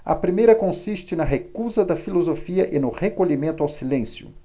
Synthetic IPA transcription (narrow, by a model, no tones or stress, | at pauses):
ɐ̰pɾimejɾɐkõsiʃt͡ʃɪnɐɦekuzɐd̪ɐfilozofiɐʔɪnʊhekoʎimẽnt̪ʊawsilẽsjʊ̰